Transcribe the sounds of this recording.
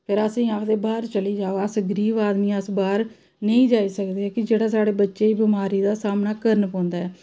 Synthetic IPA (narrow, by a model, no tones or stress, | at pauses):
pʰɪɾəsĩːaːkʰd̪eːbaːɾt͡ʃəliːd͡ʒaːoəsɡɾiːʋaːd̪mĩːəsbaːɾ | nə̃ĩːd͡ʒaːiːsəkd̪eːɛːkɪd͡ʒeːɽaːsaːɽeːbətːʃeːiːbɪmaːɾiːd̪aːsaːmnaːkəɾənpãːnd̪aːɛː